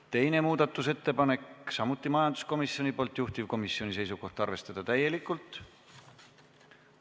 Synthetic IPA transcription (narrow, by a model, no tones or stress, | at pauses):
t̪e̞jne̞muːd̪̥ɑt̪ːˑuse̞t̪ːe̞pɑne̞ksɑmut̪ˑːimɑjɑnd̪̥u̥sko̞misːjo̞nipo̞ːlt̪ːˑjuht̪ivko̞misːio̞nis̬e̞jsuko̞ht̪ɑrve̞st̪ɑd̪̥ɑt̪æje̞likːˑult̪ˑ